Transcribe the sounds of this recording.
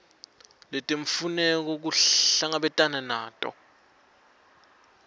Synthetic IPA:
lɛtʼeɱfunɛk̬ɔk̬uɬaŋaɓɛtʼananaːtʼɔ̰

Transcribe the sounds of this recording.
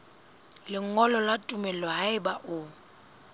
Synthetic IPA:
lɪŋŋɔlɔlatʼʊmɛlɔɦaɪbaʔʊ

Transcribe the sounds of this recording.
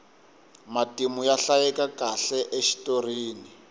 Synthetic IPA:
matimujaɬajɛkakaɬɛʔeʃi̥toriːni

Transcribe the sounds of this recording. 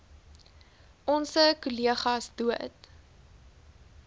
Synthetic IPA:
ʔɔnsəkuliəχɐsduət

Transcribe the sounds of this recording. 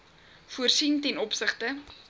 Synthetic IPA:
fuərsintɛnɔpsəχtə

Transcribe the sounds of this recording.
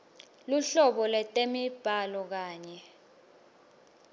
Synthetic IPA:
luɬɔɓɔlɛtʼemib̥ʱalɔk̬aːɲɛ

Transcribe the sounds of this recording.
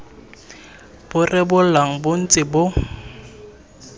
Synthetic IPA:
b̥ʊrɪbʊlaŋ̩bʊn̩t͡sʼɪbʊ

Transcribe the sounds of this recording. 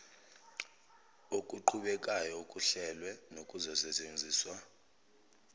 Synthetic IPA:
okʼuǃʰuɓɛk̬ʼajɔukʼuɬɛlwɛnokʼuzɔsɛt͡ʃʼend͡zʱiːswa

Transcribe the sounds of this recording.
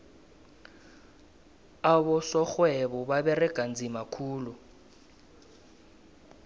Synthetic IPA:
aβɔsɔxwɛβɔβaβɛrɛɡ̥ʱʼand͡zʱimakʰuːlu

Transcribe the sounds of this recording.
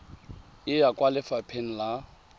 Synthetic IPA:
ɪjakʼwalɪfapʰen̩la

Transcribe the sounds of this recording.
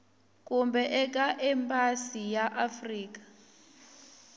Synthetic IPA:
kʼumbɛʔɛk̬ʼaʔɛmpʼasijaʔafriːk̬ḁ

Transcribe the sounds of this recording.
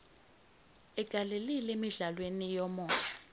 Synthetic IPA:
ɛɡ̥ʱalelilemiɮalwenijɔmɔːja

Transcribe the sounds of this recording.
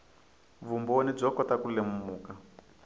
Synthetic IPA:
vumbonib͡ʐɔkɔtakulemumuːka

